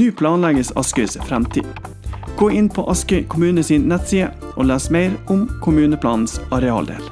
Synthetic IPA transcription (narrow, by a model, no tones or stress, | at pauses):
ʉːpʰlɑːnlæɡəsɑ̰skœːsfɾɛmt̪ʰḭː | ɡ̥oːɪnpʰo̰ːʔɑskœʏkʰʊmʉːnəsiːnnɛt̪siːə | ʔoːlæːsmeɪɾʊmkʰʊmʉːnəpʰlɑːnn̩sɑɾɛɑ̰ːld̪ḛːl